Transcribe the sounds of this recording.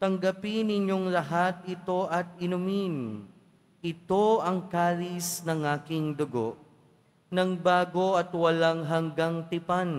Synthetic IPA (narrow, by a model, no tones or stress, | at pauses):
t̪ɐŋɡɐpɪnɪɲjo̞ŋlɐɦat̪̚ɪt̪o̞ʔɐt̪̚ɪnʊmin | ʔɪt̪o̞ɐŋkaːlisnɐŋʔaːkɪŋd̪ʊɡo̞ʔ | nɐŋbaːɡo̞ʔɐt̪wɐlaŋɦɐŋɡaŋt̪ɪpan